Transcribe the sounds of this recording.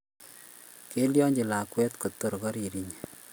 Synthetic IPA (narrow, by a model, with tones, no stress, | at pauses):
ke˦ljɔ˦ɲd͡ʒi˨la˨kwɛ˦t̪ko˨to˨ɾkɔ˦ɾi˨ɾi˨ɲ